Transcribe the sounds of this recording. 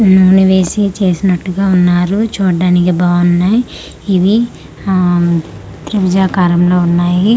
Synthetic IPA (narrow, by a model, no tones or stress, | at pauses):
nuːniʋe̞ːsit͡ʃe̞ːsinɐʈːuɡaːunːaːɾut͡ʃuːɖaːnikibɐːʋɐnnːaj | iʋi | t̪ɾiʋid͡ʒaːkaːɾɐmlo̞ːunːaːji